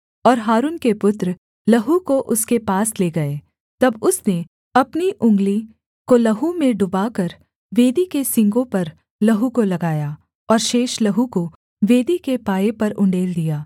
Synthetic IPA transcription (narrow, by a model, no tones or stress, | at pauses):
ɔːɾɦaːɾuːnkepʊt̪ɾ | lɐɦukoʔʊskepaːsleːɡɐeː | t̪ɐbʊsne | ɐpniʔʊ̃ŋɡli | kolɐɦũmẽɖʊbaːkɐɾ | ʋeːd̪ikesɪ̃ŋɡõpɐɾ | lɐɦukolɐɡaːja | ɔːɾʃeːʃlɐɦuko | ʋeːd̪ikepaːepɐɾʊ̃ɳɖeːld̪ijaː